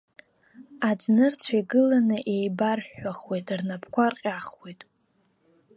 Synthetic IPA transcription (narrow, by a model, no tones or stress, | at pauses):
ad͡znɨrt͡sʷʰajɡɨlanɨʔe̞jbarħaχwejtʼrnapʰkʷʰarqʲʼaχwejtʼ